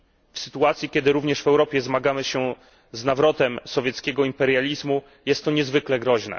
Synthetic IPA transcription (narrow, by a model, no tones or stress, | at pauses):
fsɘ̥t̪uat̪sʲjikʲjɛd̪ɘɾuvɲɛʂvɛwɾɔpʲjɛzmaɡamɘɕɛ | znavɾɔt̪ɛmsɔvʲjɛt̪skʲɛɡɔimpɛɾjalʲizmu | jɛst̪ːɔɲɛzvɘklɛɡɾɔʑnɛ̰